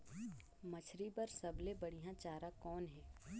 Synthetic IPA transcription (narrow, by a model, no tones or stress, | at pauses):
mɐt͡ʃʰɾipɐɾsɐblebɐɽ̤iɦãt͡ʃaːɾakɔːnɦɛː